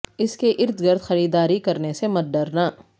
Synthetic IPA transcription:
ɪskeʔɪɾd̪ɡɐɾd̪xɐɾiːd̪aːɾikɐɾnesemɐt̪̚ɖɐɾnaː

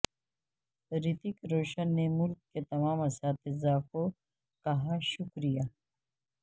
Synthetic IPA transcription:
ɾɪt̪ɪkɾoːʃənːemʊlɡ̚ket̪ɐmaːmasaːt̪ʰizaːko | kɐɦaʃʊkɾijaː

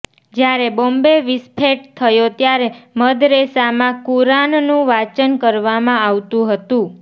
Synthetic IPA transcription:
d͡ʒjaɾebombeʋɪspʰeʈ̚t̪ʰəjot̪jaɾeməd̪ɾesamãkuɾannũʋat͡ʃənkəɾʋamãaʋt̪ũɦət̪ũ

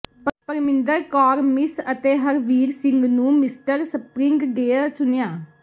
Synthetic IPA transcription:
pəɾpəɾmɪnd̪əɾkɔːɾmɪsət̪eːɦəɾʋiːɾsɪ̃ŋɡnũːmɪsʈəɾsəpɾɪ̃ŋɡɖeːəɾt͡ʃʰʊnɪjãː

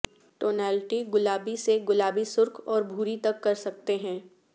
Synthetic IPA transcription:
ʈoːnɛːlʈiɡʊlaːbiseɡʊlaːbisʊɾkʰɔːɾbʱuːɾit̪ɐkːɐɾsɐk̚t̪eɦɛ̃ː

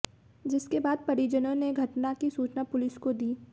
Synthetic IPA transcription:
d͡ʒɪskebaːd̪̚pɐɽid͡ʒənõneɡʱɐʈnakisuːt͡ʃnapʊlɪskod̪iː

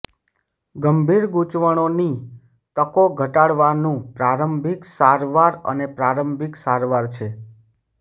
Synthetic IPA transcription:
ɡəmbʱiɾɡut͡ʃʋəɽ̃oni | t̪əkoɡʱəʈaɽʋanũpɾaɾəmbʱiksaɾʋaɾə̰nepɾaɾəmbʱiksaɾʋaɾt͡ʃʰe

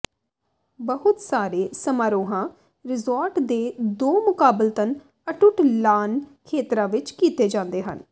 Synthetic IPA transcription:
bəɦʊt̪saːɾeːsəmaːɾoːɦãː | ɾɪzɔːɾʈd̪eːd̪oːmʊkaːbɪlt̪ən | əʈʊʈlaːnkʰeːt̪ɾãːʋɪt͡ʃkiːt̪eːd͡ʒãːnd̪eːɦə̰n

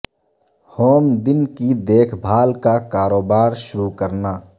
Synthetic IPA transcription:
hoːmd̪ɪnkid̪eːkʰbʱaːlkakaːɾoːbaːɾʃʊɾukəɾnaː

